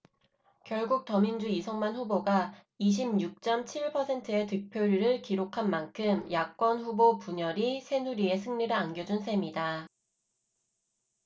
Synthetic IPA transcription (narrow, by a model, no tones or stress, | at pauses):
kjʌɭɡuk̚tʌmind͡ʑuisʰʌŋmanɸuboɡa | iɕ̬ʰimɲuk̚t͡ɕ͈ʌmt͡ɕʰiɭpʰʌsʰe̞ntʰɯe̞tɯk̚pʰjoɾiɾɯɭkiɾokʰanmankʰɯmjak͈wʌnɸubopuɲʌɾisʰe̞nuɾie̞sʰɯŋɲiɾɯanɡjʌd͡ʑunsʰe̞mida